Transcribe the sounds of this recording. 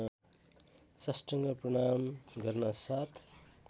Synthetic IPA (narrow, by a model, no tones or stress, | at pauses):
sʌsʈʌŋɡʌprʌɽ̃amɡʌrnasat̪ʰ